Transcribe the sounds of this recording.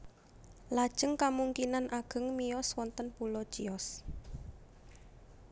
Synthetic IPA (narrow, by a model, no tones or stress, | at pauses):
lad̥ʒ̥əŋkamuŋkinanʔaɡ̥ə̤ŋmijɔswɔnt̪ənpulɔd̥ʒ̥iɔs